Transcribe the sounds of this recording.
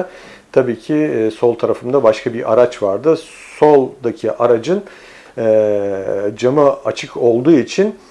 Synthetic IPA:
t̪ʰabiːcʰiso̞lˠt̪ʰaɾafɯmnd̪abaʃkʰabiɾʔaɾat͡ʃvaɾd̪ɯ | so̞lˠd̪acʰiʔaɾad͡ʒɯn | ɛ | d͡ʒamɯat͡ʃʰɯkʰo̞lˠd̪uːit͡ʃʰin

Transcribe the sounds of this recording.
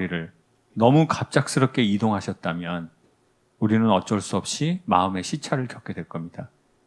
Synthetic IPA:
iɾɯɭ | nʌmukap̚t͡ɕ͈ak̚s͈ɯɾʌp̚k͈e̞idoŋɦaɕʰʌt̚t͈amjʌn | uɾinɯnʌt͡ɕ͈ʌɭs͈uʌp̚ɕ͈imaɯme̞ɕʰit͡ɕʰaɾɯɭkjʌp̚k͈e̞dwe̞ɭk͈ʌmɲida

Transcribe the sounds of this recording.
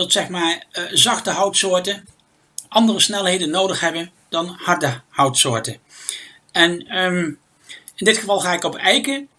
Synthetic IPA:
dɑtsɛχmaːɹzɑχtəɦʌwtsʊːɹtən | ʔɑndərəsnɛlˠɦejdənːowdəχɦɛbən | d̥ɑnhɑɹdəhʌwtsʊːɹtən | ɛnm | ɪndɪtχəvɑlˠχaːɪkɔpɛjkə

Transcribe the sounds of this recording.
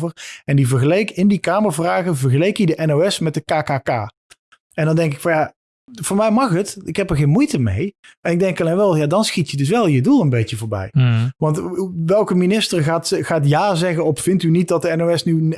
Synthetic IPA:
vərɛndivəɹɣəlejkɪndikaːməɹvraːɣəvəɹχəlejkidəʔɛnowɛsmɛt̚dəkaːkaːkaː | ɛndɑndɛŋkɪkfɑnja | vʊːɹmɛjmɑχɦətɪkɦɛpəɹχejnmujtəmḛjɛnɪɡ̚dɛŋkɑlejnʋɛlˠjadɑnsxitjədɵs̬ʋɛlˠjədulˠənbejtəvʊːɹbɛ̰jʋɑntʋɛlˠkəminɪstərɣaːtχaːtjaːzɛɣənɔffɪntynit̚dɑt̚dəɛnowɛsny

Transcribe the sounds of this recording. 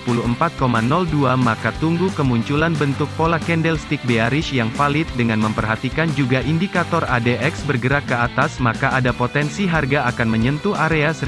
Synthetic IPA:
puluəmpat̪̚komanɔlduamakat̪uŋɡukəmuɲt͡ʃulanbənt̪ʊk̚polakɛndɛlst̪ik̚beaɾɪʃjaŋfalɪt̪̚dəŋanməmpərɦat̪ikand͡ʒuɡaʔindikat̪ɔradeʔɛksbərɡəɾakːəat̪asmakaʔadapot̪ɛnsiɦarɡaakanməɲənt̪uʔaɾeasə

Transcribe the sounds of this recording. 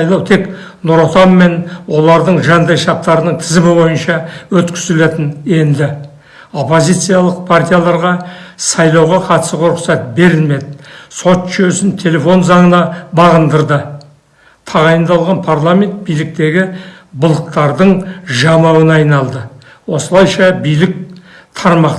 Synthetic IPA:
jlˠɑwt̪ʰe̞k | nuɾot̪ɑmːe̞nwo̞lˠɑɾd̪əɴʒɑnd̪ɑjʃɑp̚t̪ɑɾənəɴt̪ʰɪzɪmɪbo̞jənʃɑwɵt̪kʲɪ̥zɪle̞t̪ɪnje̞nd̪ɪ | o̞pːo̞zijt̪sɨjalˠəq̚pʰart̪ʲijalˠɑɾʁɑsɑjlˠɑwʁɑqʰɑt̪ə̥səʁɾʊqsɑt̪̚be̞ɾɪlme̞d̪ɪso̞t̪ʒjøsɪnt̪ʰe̞le̞fo̞nzɑɴənɑbɑʁənd̪əɾd̪ə | t̪ʰɑʁɑjənd̪ɑlˠʁɑnpʰarlˠame̞nt̪̚bijlɪk̚t̪e̞ɡʲɪbʊlˠəq̚t̪ɑɾd̪əɴʒɑmɑwənɑjnɑlˠd̪ə | wo̞səlˠɑjʃɑbijlɪk̚t̪ʰɑɾmɑq

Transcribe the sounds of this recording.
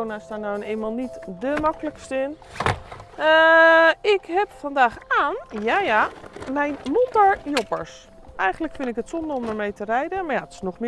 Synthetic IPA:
onastaːnawəneːnmalˠnitdəmɑkələkstəɪn | ə | ɪkɦɛpfandaːxaːnjaːjamɛjnmutəɹjopəɹs | ʔɛjχəndləkfɪndɪkɦətsɔndərɔmdəɹmejtərɛjdəmaɹjatɪ̥snɔχmɪ

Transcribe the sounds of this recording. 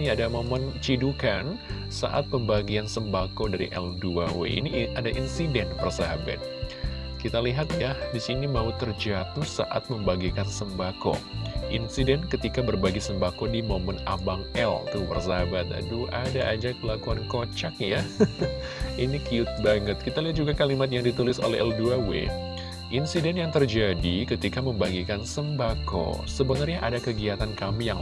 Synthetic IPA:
niadamomənt͡ʃidukan | sa̰ʔa̰t̪̚pəmbaɡiansəmbakodaɾḭʔɛ̰lduawḛḭniadaʔinsidɛnpərsaɦaba̰t̪̚ | kit̪aliɦat̪̚jadisinimaut̪ərd͡ʒat̪usa̰ʔa̰t̪̚məmbaɡikansəmbako̰ʔḭnsidɛnkət̪ikabərbaɡisəmbakɔdimoməna̰baŋɛ̰lt̪ubə̰rsabat̪̚a̰duʔadaʔad͡ʒakəlakuankot͡ʃak̚ja | inikiʊt̪̚baŋət̪̚kit̪aliat̪̚d͡ʒuɡakalimat̪̬̚jaŋdit̪ulɪso̰lɛɦɛlduawḛ | ʔinsidɛnjaŋt̪ərd͡ʒadikət̪ikaməmbaɡikansəmbako̰səbənərɲaʔadakəɡiat̪ankamija

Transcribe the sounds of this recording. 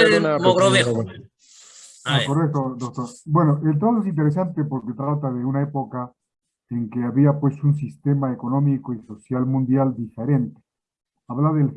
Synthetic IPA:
eunanɣɾoβes | nokorek̚t̪od̪ok̚t̪oɾbwe̞noʔelt̪̬at̪oes̬int̪̬eɾes̬ant̪epo̞ɾket̪ɾat̪aðeunaepo̞ka | eŋkeaβiapwe̞suns̬ist̪e̞maeko̞nõ̞mikoiso̞sjalmũnd̪jald̪ife̞ɾe̞nt̪e̥ | aβlaðel

